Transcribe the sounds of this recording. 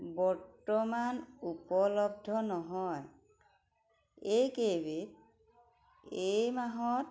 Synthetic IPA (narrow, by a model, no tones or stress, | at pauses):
bɔɹtɔmanupɔlɔbdʱɔnɔɦɔj | ejkebit̚ | ejmaɦɔt̚